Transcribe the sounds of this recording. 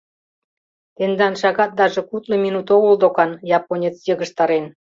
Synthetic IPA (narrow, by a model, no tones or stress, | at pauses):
t̪end̪ɑnʃɑɣɑt̪̚d̪ɑʒĕkut̪lŏminut̪oɣold̪okɑnjɑponʲet͡sjəɣəʃt̪ɑɾen